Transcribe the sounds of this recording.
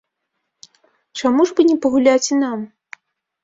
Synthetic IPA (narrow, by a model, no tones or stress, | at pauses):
t͡ʂamuʐbɨnʲɛpɐɣulʲat͡sʲinam